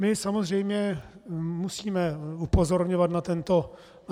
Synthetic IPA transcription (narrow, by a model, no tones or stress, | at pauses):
mɪsamo̞zr̝ɛjmɲɛ | musiːmɛupo̞zo̞ɾɲovat̪nat̪ɛnt̪o